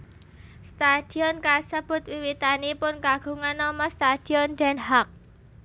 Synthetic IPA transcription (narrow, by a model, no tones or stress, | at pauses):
st̪ad̪̥i̤ɔnkasəb̥ʊ̤t̪̚wiwit̪anipʊnkaɡ̥ṳŋanːɔmɔst̪ad̪̥i̤ɔnd̪̥ɛnɦak̚